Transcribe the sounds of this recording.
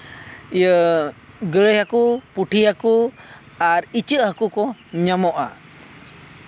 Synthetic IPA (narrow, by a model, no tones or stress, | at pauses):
ijə | ɡəɭəjhakupuʈʰiɦaku | aɾit͡ʃəʔɦəkukɔɲamɔʔa̰